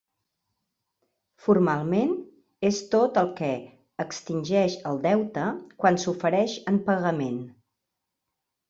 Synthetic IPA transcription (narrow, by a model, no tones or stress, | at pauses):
furmalˠmen | est̪ot̪əlˠkɛ | əkst̪inʲʒɛʃəlˠd̪ɛwt̪əkwansufəɾɛʃəmpəɣəmen